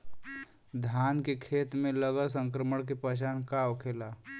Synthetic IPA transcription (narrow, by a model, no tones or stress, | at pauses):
d̪ʱaːnkekʰeːt̪mẽləɡəls̬ə̃ŋk̬ɾəməɽ̃k̬epət͡ʃ̬aːnkaokʰelaː